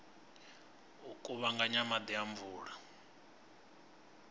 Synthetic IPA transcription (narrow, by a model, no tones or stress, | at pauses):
ɦukʼuβaŋɡaɲamad̪iaɱvuːɺa